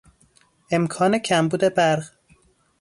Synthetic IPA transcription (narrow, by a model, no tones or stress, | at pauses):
e̞mkʰɒːnecʰæmbuːd̪e̞bæɾʁ